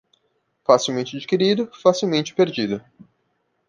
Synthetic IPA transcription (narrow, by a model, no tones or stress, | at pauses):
fasiwmẽnt͡ʃɪad͡ʒikeɾid̪ʊfasiwmẽnt͡ʃɪ̥peɾd͡ʒid̪ʊ